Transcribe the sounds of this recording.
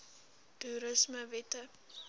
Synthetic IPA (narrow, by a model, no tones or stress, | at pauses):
tuɾəsməvɛtə